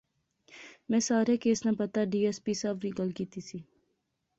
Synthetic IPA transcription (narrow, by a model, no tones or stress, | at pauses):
mɛ̃ːsaːɾekeːsnapɐt̪aɖiːɛːspiːsabɾiːɡəlkiːt̪isiː